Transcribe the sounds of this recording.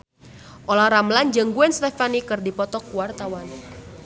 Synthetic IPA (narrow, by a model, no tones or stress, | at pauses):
ʔolahɾamland͡ʒəŋɡuɛnst̪ɛfanikɨrdipɔt̪ɔkuwart̪awan